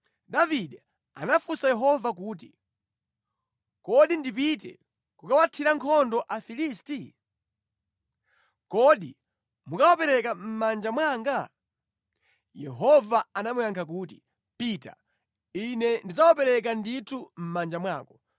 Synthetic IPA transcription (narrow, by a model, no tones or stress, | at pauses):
daviɗɛ | a̰nafusajɛɦɔvak̬uːt̬i | kɔɗindip̬itɛ̰ | kukawatʰiɾaŋkʰɔndɔʔafilisti | kɔɗḭ | mukawapɛɾɛkam̩mand͡ʒamwaːŋɡa | jɛɦɔvaanamujaŋkʰak̬uːti̥ | pita̰ | inɛndizawapɛɾɛk̬anditʰum̩mand͡ʒamwaːkɡɔ